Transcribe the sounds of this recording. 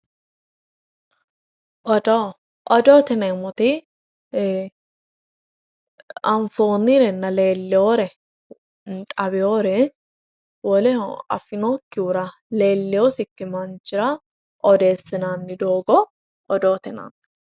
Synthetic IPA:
ʔɔd̪o | ʔɔd̪oːt̪ɛnɐmɔt̪ɪ | ɐɱfoːnːɪɾɛnːɐleːlːɛoɾɛ | t̪ʼɐbɪoːɾɛ | wɔlɛɐ̰fɪnokːɪuɾɐ | leːlːɛjosɪkːɪmɐnt͡ʃːɪɾɐ | ʔɔd̪e̞ːsːɪnaːnːɪd̪oːɡɔ | ɔd̪oːt̪ɛna̰ːn

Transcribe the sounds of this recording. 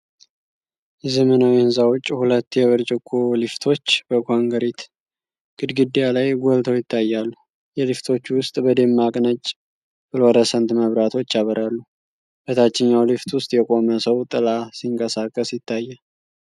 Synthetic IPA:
jɛzəmənawiɨnzawɔt͡ʃʼːhulət̪ːjɛβəɾt͡ʃʼɪkʰːolift̪ʰo̞t͡ʃːbəkʰʷaŋɡəɾit̪ | ɡ̥ɨd̪ɡɨd̪ːijalajɡʷɔlt̪ʰəwjɪt̪ːajːalːu | jɛlift̪ʰo̞t͡ʃːwʊst̪ʼbəd̪emːakʼnət͡ʃʼ | b̥ɨlɔɾəsənt̪məβɾat̪ʰo̞t͡ʃːaβəɾalːu | b̥ət̪ʰat͡ʃːɪɲːawlift̪wʊst̪ʼjɛkʼo̞məsəwt̪ʼɨlasiŋkʼəsakʼːəsjɪt̪ʰːajːə

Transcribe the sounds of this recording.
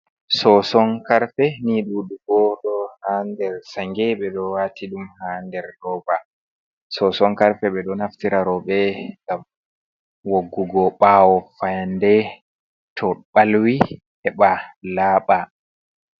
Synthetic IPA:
sɔsɔŋkaɾfɛniɗuɗukɔɗɔhandɛɾsaŋɡɛɓɛɗɔwatʰiɗumhandɛɾɗɔːva | sɔsɔŋkaɾfɛɓɛɗɔnaftiɾaɾɔɓɛŋɡam | woɡːuɡɔɓawɔfajandɛ | tʰɔɓalwi | hɛɓalaːɓa

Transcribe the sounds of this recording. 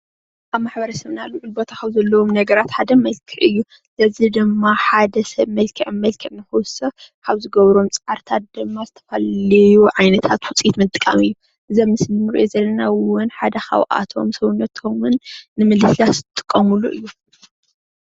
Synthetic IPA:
ʔaβmaħbɐɾɐsɐβnaluʕɨlbot̪ʰaxɐβzɐlːɐwomnɐɡɐɾat̪ħad̪ɐmɐlkʰɨʕɨjːu | lɐzid̪ɨmːaħad̪ɐsɐβmɐlkʰɨʕmɐlkʰɨʕnɨxuwsɐkʰaβzɨɡɐβɾo̞mt͡sʼaɾt̪ʰat̪̚d̪̥ɨmːazɨt̪ʰɐ̥falɐjuʕajnɐt̪ʰat̪wʊt͡sʼit̪mɨt̪ʼːɨkʼːamɨjːu | ʔɨzɐmnɨsɨmɨnɨɾḭʔozɐlːɐnawʊnħad̪ɐxa̰wʔa̰t̪ʰo̞̰msɐwunɐt̪ʰo̞mɨnːɨmɨlɨslatzɨt̪ʼɨ̥kʼːɐmuluʔɨ̰jːu

